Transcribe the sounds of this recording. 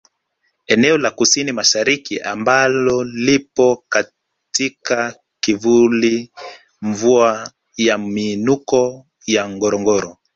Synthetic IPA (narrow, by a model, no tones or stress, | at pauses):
ɛnɛɔlakusinimaʃaɾikiʔa̰mbalɔlipɔka | tika | kivuli | ɱvua | jamiːnukɔ | jaŋɡɔɾɔŋɡɔɾɔ